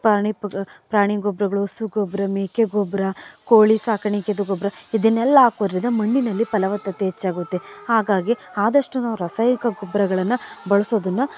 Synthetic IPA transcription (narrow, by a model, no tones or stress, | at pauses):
paːɳipɾaːɳiɡɔbɾɐɡɐɭuosuɡɔbɾɐmeːkeɡɔbɾɐkoːɭisaːkɐɳiked̪uɡɔbɾɐid̪ɐnːɛlːɐaːkoːd̪ɾid̪ɐmɐɳːinɐlːipɐlɐʋɐt̪ːɐt̪ːeɦet͡ʃːaːɡut̪ːehaːɡaːɡiaːd̪ɐʂʈunɐuɾɐsɐjnikɐɡɔbɾɐɡɐɭɐnːɐbɐɭɐsoːd̪ɐnːɐ